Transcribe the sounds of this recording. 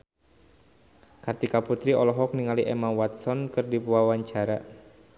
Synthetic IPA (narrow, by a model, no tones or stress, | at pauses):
kart̪ikaput̪ɾiʔɔlɔɦɔk̚niŋaliʔɛmawat̪̚sɔnkɨrdipuawaɲt͡ʃaɾa